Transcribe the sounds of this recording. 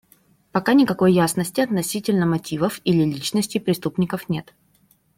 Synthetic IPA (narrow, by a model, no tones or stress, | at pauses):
pɐkanʲɪkɐko̞jːasnəsʲtʲɪɐt̪nɐsʲitʲɪlʲnəmɐtʲivəfilʲɪlʲit͡ɕnəsʲtʲɪjpɾʲɪst̪upnʲɪkəfnʲe̞t̪